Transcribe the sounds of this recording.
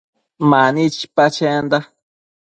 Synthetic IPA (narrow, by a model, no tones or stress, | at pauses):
manit͡ʃi̥pat͡ʃend̪a